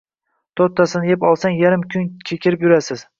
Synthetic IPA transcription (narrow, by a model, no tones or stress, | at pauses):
t̪ʰot̪ʰːasɪnɪjepɒlˠsaŋjaɾɪmkʰʲʊnkʲʰekʲʰɪɾɪpjʊɾasɪz̥